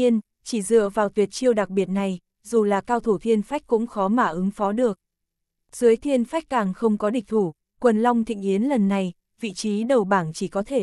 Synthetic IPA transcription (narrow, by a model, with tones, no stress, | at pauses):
i˧ən | t͡ɕi˧˩zɨ̰˧˨əvaː˨˩wt̪wi˨˩ət̚t͡ɕi˧əwɗa˨˩k̚ɓi˨˩ət̚na˨˩j | zu˨˩laː˨˩kaː˧wt̪ʰu˧˩t̪ʰi˧ənfa˦˥jk̟̚kːʊ̰˧˥ŋ͡mxɔ˨˦maː˧˩ʔɨ˨˦ŋfɔ˨˦ɗɨ˨˩ək̚ | z̥ɨ˨˦əjt̪ʰi˧ənfa˦˥jk̟̚kaː˨˩ŋxə˧wŋ͡mkɔ˨˦ɗï˨˩ŋ̟̚t̪ʰu˧˩ | kwə˨˩nla˧wŋ͡mt̪ʰḭ˧˨ŋ̟ʔi˨˦ənlə˨˩nːa˨˩j | vḭ˧˨t͡ɕi˨˦ɗə˨˩wɓaː˧˩nt͡ɕi˧˩kɔ˨˦t̪ʰe˧˩